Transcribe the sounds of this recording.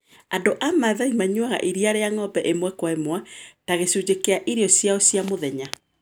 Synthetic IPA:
adoʔamaðaimaɲwaɣa̰ʔiɾiaɾeaŋɔbɛʔemwɛkwaemwataɣesud͡ʑekeaʔiɾeɔsjaosjamoðɛɲa

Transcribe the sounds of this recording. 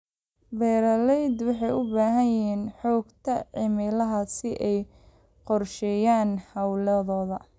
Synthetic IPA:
bɛːɾɐlɛjd̪wɑħɑjʊbaːɦɐjɪɦiːnħɔːɡt̪ʰɐʕɪmɪlɐɦɐsɪʔɛj | qɔrʃɛːjaːnhɐwlɐðɔːðɐ

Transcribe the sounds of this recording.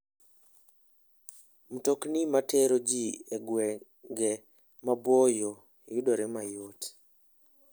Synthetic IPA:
mutoknimatʰɛɾod͡ʒieɡwɛ | ɡɛ | mabwɔjo | judoɾɛmajot

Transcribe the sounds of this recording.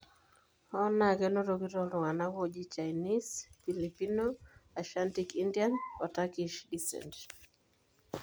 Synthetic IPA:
ɔnakɛnoɾokiɾɔlʊŋanakɔd͡ʒit͡ʃajnisfilipinoaʃantikindjanpatakiʃdisɛ̰nt

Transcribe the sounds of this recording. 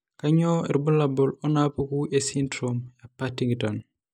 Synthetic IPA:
kaɲoɛɾbulabɔlɔnapokuʔesintɾomjapatiŋɡton

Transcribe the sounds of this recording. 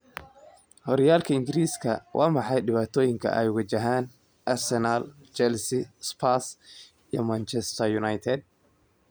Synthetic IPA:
hɔɾjaːlkʰɐɪŋɡɪɾiːskʰɐwʔɑ̰ːmɑħɑjɖɪβaːt̪ʰɔːjɪŋkʰɐ̰ʔɛ̰jʊɣɐt͡ʃɐɦaːn | ʔɐrsɛnaːl | t͡ʃɛlsɪspʰas | ijɔ̰mant͡ʃʰɛst̪ʰɐjʊnajt̪ʰɛd̪̚

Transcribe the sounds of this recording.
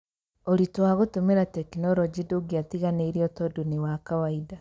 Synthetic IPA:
oɾitwaɣotomeɾatɛkinɔɾɔd͡ʒidoɡiatiɣaneiɾiɔtɔduniwakawaida

